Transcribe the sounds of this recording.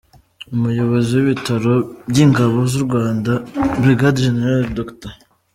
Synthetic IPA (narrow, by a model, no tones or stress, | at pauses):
umujo̞βo̞ziwiβitʰaɾo̞bɟiŋɡaβozuɾɡwaːndabɾiɡadʒeneɾaldokta